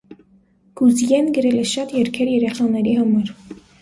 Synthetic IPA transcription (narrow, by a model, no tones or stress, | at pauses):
ɡ̥uzjɛnɡəɾɛlɛʃɑt̪jɛɾkʰɛɾjɛɾɛχɑnɛɾihɑmɑɾ